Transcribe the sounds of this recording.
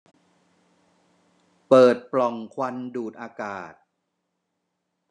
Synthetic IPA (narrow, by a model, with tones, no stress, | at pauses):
pɤː˨˩t̪̚plɔ˨˩ŋkʰwa˧nduː˨˩t̪̚ʔaː˧kaː˨˩t̪̚